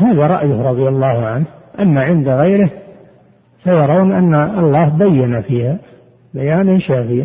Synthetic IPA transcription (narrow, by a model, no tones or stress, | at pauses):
haːðaɾˤɑ̰ʔjʊhɾˤɑðˤjalːɑːhʕanhʔamːaʕɪnd̪aɣajɾɪh | fajɑɾˤɑwnʔanːaɑlˤːɑːhbajːanafiːha | bajaːnanʃaːfɪja